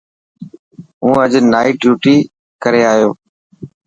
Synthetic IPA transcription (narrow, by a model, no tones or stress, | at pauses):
ũːəd͡ʒnaːiːʈjuːʈiː | kəɾeːaːjoː